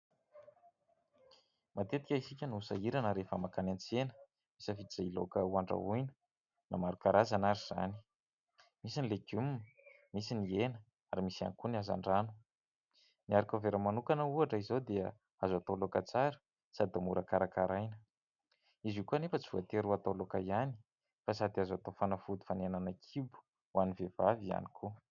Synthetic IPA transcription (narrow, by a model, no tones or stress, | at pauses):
mat̪et̪i̥kʲaisikʲənuusa̰iɾanəɾefəmakanant͡senə̥ | misəfid͡zailokəuaɳɖ͡ʐa̰ujnə̥ | na̰maɾukaɾazanaɾiz̥a̰ni̥ | misinileɡjumin | misinienə | aɾimisia̰nkuniaza̰ɳɖ͡ʐanu̥ | niaɾikʲoveɾəmanukanəuaʈ͡ʂəizod̪eə | azat̪olokat͡saɾi̥ | sad̪amuɾakaɾakaɾajnə | izikuanefət͡si̥vuat̪eɾuat̪olokajani̥ | fasad̪iazat̪ofanafud̪u̥fanenanakʰibu̥ | wanivevavia̰nikʰu